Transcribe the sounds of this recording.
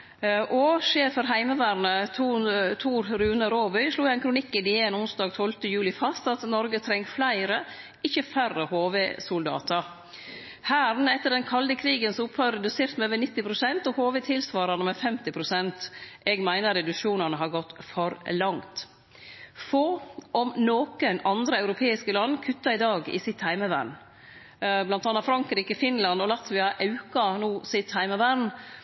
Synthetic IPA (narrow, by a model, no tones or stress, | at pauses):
ʔɔʃeːfəɾɦæɪməʋæːɾnəut̪ʰuːɾɾʉːnəɾoːbœʏʂɭuːæɪnkʰɾʊnɪkːɪd̪ɪeːnʊnsd̪ɑːɡt̪ʰɔlt̪əjʉːlɪfɑst̪ɑt̪nɔɾɡət̪ʰɾɛŋːflæɪɾə | ɪçəfærəhoːʋeːsʊld̪ɑ̰ːt̪əɾ | hæːɾnɛt̪ːəɖɛnkʰɑld̪əkʰɾiːɡənsʊphøʏɾɛd̪ʉseːɾt̪mɛøːʋənɪt̪ːɪpʰɾʊsɛnt̪ɔhoːʋet̪ʰɪlsʋɑːɾɑnəmɛfɛmt̪ɪpʰɾʊsɛnt̪ʔɛɡmæɪnəɾɛd̪ʉʃuːnɑnəɦɑɾɡɔt̪ːfɔɾlɑŋt̪ | foːʔɔmnoːkənɑnd̪ɾəɑʉɾʊpʰeːɪskəlɑnːkʰʉt̪ːɑɪd̪ɑːɡɪ̰sɪt̪hæɪməʋæ̰ɳ | blɑnt̪ɑnːɑfɾɑŋkɾiːkəfɪnlɑnd̪ɔlɑt̪ʋɪɑʔɑʉkɑnuːsɪt̪hæɪməʋæɳ